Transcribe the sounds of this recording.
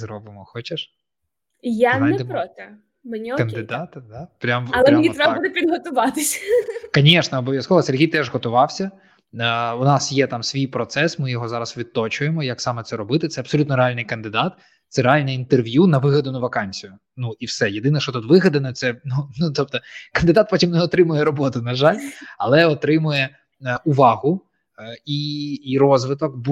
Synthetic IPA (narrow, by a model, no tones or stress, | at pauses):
zrɔbɪmɔxɔt͡ʃeʃ | janj̪ɛd̪ɛpɾɔt̪ɛ | mɐnʲikɐnd̪ɪd̪ɑt̪d̪ɑpɾʲamlˠɛmnʲiɾɛbɐbud̪ɪpʲid̪ɦɔt̪ʊʋɑt̪ɪsʲkɐnʲeʃnɛɔbɔʋʲjɐskɔʋɔserɦʲijt̪ɛʒɦɔt̪ʊʋɑwsʲɐ | ʊnɑsjɛt̪ɑmsʲʋʲijpɾɔt̪sɛsmɪjɔɦɔzɑɾɐsʋʲid̪̚t̪ɔt͡ʃʊjemɔjaksɑmɛt̪sɛɾɔbɪt̪ɪt̪sɛɐbsɔlʲut̪nɔɾeɑlʲnɪjkɐnd̪ɪd̪ɑt̪ | t̪sɛɾeɑlʲnɪint̪erʋʲjunɐʋɪɦɐd̪ʊnʊʋɐkɑnʲsʲijʊ | nuiwsɛjed̪ɪnɛʃt͡ʃɔt̪ut̪ʋɪɦɐd̪ɐnɔt̪sɛnunut̪ɔp̚t̪ɔkɐnd̪ɨd̪ɑt̪̚pɔtʲimnɛɔt̪ɾɪmʊjɛɾɔbɔt̪ʊnɐʒɑlʲɐlˠɛɔt̪ɾɪmʊjɛ | ʊʋɑɦʊ | iɾɔzʋɪt̪ɔk̚b